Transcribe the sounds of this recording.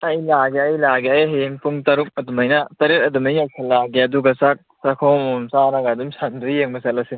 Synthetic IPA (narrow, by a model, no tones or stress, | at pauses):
ɐjlaɡeɐjlaɡeɐjɦejeŋpuŋtɐɾuk̚ɐdumɐjnɐtɐɾet̚ɐdumɐjnasʰɐlːaɡeɐduɡɐsak̚sɐkʰowmumsanɐɡadumsandujjeŋbɐsɐt̚lɐse